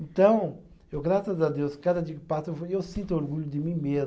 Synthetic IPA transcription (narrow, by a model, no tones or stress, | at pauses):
ẽnt̪ɐ̃w̃ | ewɡɾasɐzɐd̪ewskad̪ɐd̪iɐkɪ̥pasewewsĩnt̪uoɾɣuʎʊd̪ɪmĩmezm